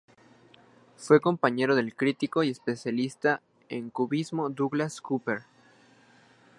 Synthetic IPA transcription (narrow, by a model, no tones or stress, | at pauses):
fwe̞ko̞mpaɲe̞ɾo̞ðe̞lkɾit̪iko̞ie̞spe̞sjalist̪a | ḛŋkuβizmo̞d̪uɣlaskupeɾ